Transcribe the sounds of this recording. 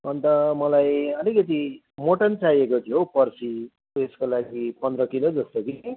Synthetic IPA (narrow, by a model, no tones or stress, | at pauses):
ʌnt̪ʌmʌlajʌlikʌt̪̬i | moʈʌnt͡sajekot̪ʰijopʌrsi | eskolaɡipʌnd̪ɾʌkilod͡zʌst̪oki